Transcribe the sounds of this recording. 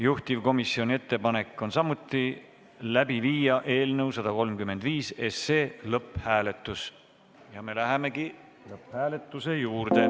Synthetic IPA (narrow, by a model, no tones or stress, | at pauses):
juht̪ivko̞misːio̞nʲie̞t̪ːe̞pɑne̞kːˑo̞nsɑmut̪ːˑi | læb̥iviːjɑʔe̞ːlnɤwsɑd̪̥ɑko̞lmkymːe̞nd̪̥viːse̞seːlɤphæːle̞t̪ːˑus | jɑme̞læɦeme̞ki | lɤphæːle̞t̪ːˑuse̞juːrd̪e̞